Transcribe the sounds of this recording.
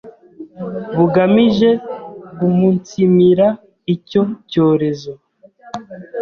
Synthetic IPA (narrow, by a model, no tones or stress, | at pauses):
βuɡamiʒe̞kumuntimiɾa | ico̞co̞ːɾe̞zo̞